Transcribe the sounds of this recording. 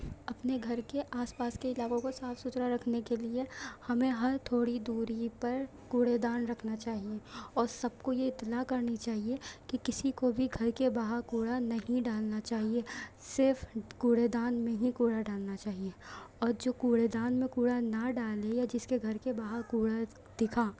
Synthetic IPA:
ɐpneɡʱɐɾkeʔaːspaːskeɪlaːkõkosaːfʰsʊt̪ɾaɾɐkʰnekeliehɐmẽɦɐɾt̪ʰoːɽid̪uːɾipɐɾ | kuːɽed̪aːnɾɐkʰnat͡ʃaːɦieɔːɾsɐb̚kojeɪt̪ːlakɐɾnit͡ʃaːɦiekikɪsikobʱiɡʱɐɾkebaːɦəɾkuːɽanɐɦĩɖaːlnat͡ʃaːɦie | sɪɾfkuːɽed̪aːnmẽɦĩkuːɽaɖaːlnat͡ʃaːɦieɔːɾd͡ʒoːkuːɽed̪aːnmẽkuːɽanɐɖaːlejad͡ʒɪskeɡʱɐɾkebaːɦəɾkuːɽa | d̪̥ɪkʰaː

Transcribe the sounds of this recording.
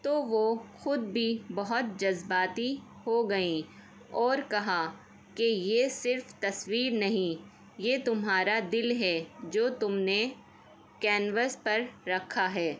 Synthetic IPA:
t̪oːʋoxʊd̪bʱibɐɦʊt̪̚d͡ʒɐzbaːt̪i | hoɡɐĩ | ɔːɾkɐɦa | kejesɪɾft̪ɐswiːɾnɐɦĩ | jeːt̪ʊmɦaːɾad̪ɪlɦɛd͡ʒoːt̪ʊmne | kɛ̃ːnʋəspɐɾːɐkʰːaɦɛː

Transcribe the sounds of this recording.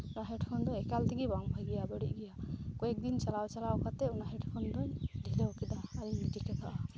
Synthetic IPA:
unaɦɛɖpʰɔnd̪ɔɛkalt̪ɛɡibaŋbʱaɡɛjabəɽiʔɡɛjakɔɛk̚d̪int͡ʃalawt͡ʃalawkat̪ɛunaɦɛɖpʰɔnd̪ɔɲɖʱilɛwkid̪aːɾiɲmiʈikɛt̪ʰaʔa

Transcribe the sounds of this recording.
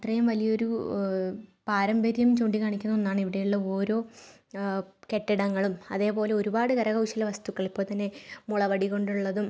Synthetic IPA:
ɐt̪rɐjumʋɐlijɐo̞ɾu | paːɾɐmbɐɾjɐmt͡ɕoːɳɖikaːɳikʲːunːɐonːaːɳiʋiɽejuɭːɐo̞ːɾo̞ː | ke̞ʈːiɽɐŋːɐɭumɐ̰ðe̞ːpo̞ːle̞oɾubaːɽɨkɐɾɐɣɐwʂilɐʋɐst̪ukːɐɭipːoɭt̪ɐnːemuɭɐʋɐɽiko̞ɳɖuɭːɐðum

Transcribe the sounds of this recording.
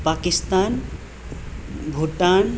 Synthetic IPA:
pakist̪aːn | bʱoʈan

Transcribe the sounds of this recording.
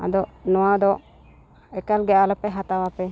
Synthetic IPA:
a̰d̪ɔʔnɔwad̪ɔʔ | ɛkalɡɛʔaləpɛɦat̪awapɛ

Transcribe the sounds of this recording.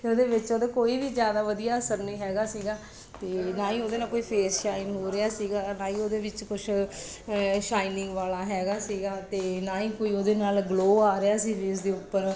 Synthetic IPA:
oːd̪eːʋɪt͡ʃoːd̪eːkoːiːʋiːd͡ʒjaːd̪aːʋəd̪ijaːəsəɾnĩːɦɛːɡaːsiːɡaː | t̪eːnãːĩːoːd̪eːnaːkoːiːpʰeːsʃaːinɦoːɾɪaːsiːɡaːnãːĩːoːd̪eːʋɪt͡ʃkʊt͡ʃʰ | ʃaːɪnɪ̃ŋɡʋaːlaːɦɛːɡaːsiːɡaːt̪eːnaːĩːkoːiːoːd̪eːnaːlɡloːaːɾɪaːsiːbeːzd̪eːʊpːəɾ

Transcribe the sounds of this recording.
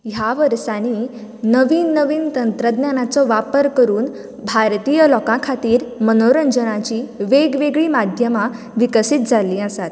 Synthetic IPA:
ɦjaʋəɾsaniː | nəʋiːnːəʋiːnt̪ənt̪ɾəd̪njanat͡sɔʋapəɾkəɾuːn | bʱaɾt̪ijəlɔkãkʰat̪iːɾmənoɾəɲd͡zənat͡ɕiːʋeɡʋeɡɭiːmad̪ʱjəma | ʋikəsiːt̪̚d͡zʱalĩːəsat̪̚

